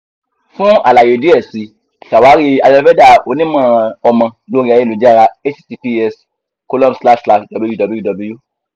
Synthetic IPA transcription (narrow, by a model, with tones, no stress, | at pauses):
fũ˦a̰˨la˨je˨di˦ɛ˦˨si˨˦ | ka˨wa˨˦ɾi˦a˧jɔ˧˦fɛ˦da˦˨o˨˧˦nĩ˦mã˦˨ɔ˧mã˧lo˨˦ɾi˦a˧˦ɛ̃˦˨lo˨˦d͡ʒɛ˦a˦˧ɾa˧e˦t͡ʃsi˧pi˦ɛ˧s | ko˧lɔ̃˦msla˦ʃsla˧ʃdɔ˨bju˦dɔ˧bi˦ju˦dɔ˨blu˦o˦˨